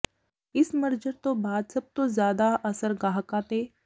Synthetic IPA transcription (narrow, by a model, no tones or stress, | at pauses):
ɪsməɾd͡ʒəɾt̪obaːd̪sɐb̚t̪ozjaːd̪aʔəsəɾɡaːɦkaːt̪e